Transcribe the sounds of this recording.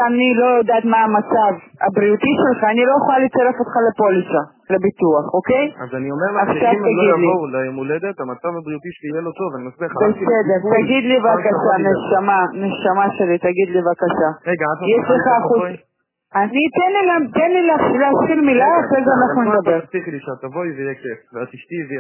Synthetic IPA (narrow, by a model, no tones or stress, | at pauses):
anilo̞jod̪aːt̪maːmat͡sav | a̰bʁiut̪iʃelχaːnilojeχolalit͡saʁefot̪χale̞po̞liʃa | lebit̪uaχo̞kejazaniomeʁlaχʃavt̪aɡidlilemuled̪et̪amat͡savabʁiut̪iʃjelot̪ovanimasbibesed̪eʁt̪aɡid̪livakaʃaneʃamaneʃamaʃe̞lit̪aɡid̪livakaʃaeɡajɛʃleχaːχu | anit̪enlilat̪enlileaχleatχilmilaaχʁejzeanaχnuned̪abe̞ʁsiχliʃat̪avojvejekefveat̪iʃt̪ive